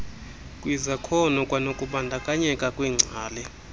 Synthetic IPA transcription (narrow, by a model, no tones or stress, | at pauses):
kʼwizakʰɔnɔkʼwanokʼuɓandʱakʼaɲɛkʼakʼwiːŋ͡ǀʱaːlɛ